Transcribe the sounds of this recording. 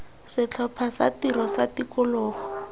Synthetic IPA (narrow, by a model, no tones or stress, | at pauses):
sɪt͡ɬʰɔpʰasa̰tiɾɔsatikʊlɔːχɔ̥